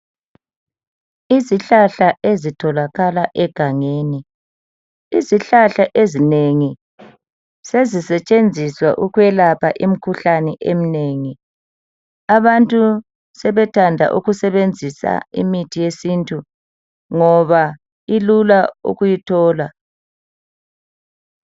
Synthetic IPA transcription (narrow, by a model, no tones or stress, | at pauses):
iziɬaɬaezitʰɔlaɣalaʔɛɡ̥ʱaŋeːni | iziɬaɬaʔezineŋi | sezisɛt͡ʃʼend͡zʱiswa̰ʔuɣwɛlapʰaʔim̩kʰuɬanɛʔem̩neːŋi | aβantʼu | sɛβɛtʰandʱa̰ʔṵɣusɛβend͡zʱisa̰ḭmitʰijesintʼu | ŋɔβa | ilulaṵɣujitʰɔːla